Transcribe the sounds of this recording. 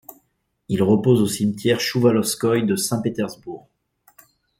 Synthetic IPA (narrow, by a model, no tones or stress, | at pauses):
ilʁəpozosimt̪jɛʁʃuvalɔskɔjd̪əsɛ̃pet̪ɛʁzbuːʁ